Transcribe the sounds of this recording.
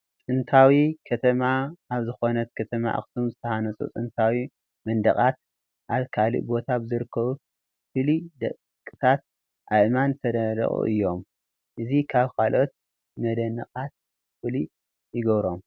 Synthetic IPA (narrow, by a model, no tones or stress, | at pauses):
t͡sʼɨnt̪ʰawikʰɐt̪ʰɐmaːβzɨxo̞nɐt̪kʰɐt̪ʰɐma̰ʔa̰xsumzɨt̪ʰɐhanɐt͡sʼṵt͡sʼɨnt̪ʰawi | mɐnd̪ɐχʼat̪ | ʔaβkʰalḭʔbo̞t̪ʰabɨzɨɾɨkʰːɐβu | fɨlid̪ɐ̰kʼ | kʼɨt̪ʰat̪̚ | ʔaʔmant̪ʰɐd̪ɐd̪ɐ̰χʼṵʔɨjːo̞m | ʔɨzikʰaβkʰalʔo̞t̪̚ | mɐd̪ɐnɐqʼat̪̚ | fɨli | jɪɡɐβɾo̞m